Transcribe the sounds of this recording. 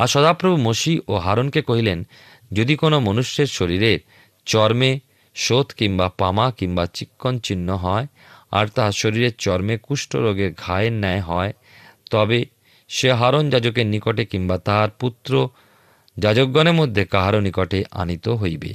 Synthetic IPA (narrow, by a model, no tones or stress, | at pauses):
aɾʃɔd̪apɾobʱumoʃiʔoɦaɾonkekoɦilen | d͡ʑod̪ikonomonuʃːeɾʃoɾiɾeɾ | t͡ɕɔɾme | ʃot̪ʰkiŋbapamakiŋbat͡ɕikːont͡ɕinːoɦɔe | a̰ɾt̪aʃoɾiɾeɾt͡ɕɔɾmekuʃʈo̰ɾoɡeɾɡʱaenɛɦɔe | t̪ɔbe | ʃeɦaɾond͡ʑad͡ʑok̬eɾnikoʈekiŋbat̪aaɾput̪ːɾo | d͡ʑad͡ʑokːɔneɾmod̪ʱːekaɦaɾonikoʈeʔa̰nit̪oɦojbḛ